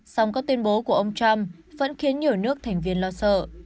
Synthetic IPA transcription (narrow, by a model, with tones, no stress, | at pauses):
sa˧wŋ͡mkaː˦˥k̚t̪wi˧ənɓo˨˦ku˧˩əʔə˧wŋ͡mt͡ɕa˧mvə̰˧˥nxi˨˦ənɲi˨˩əwnɨ˦˥ək̚t̪ʰɛ˨˩ŋ̟vi˧ənlɔ˧sə̰ː˧˨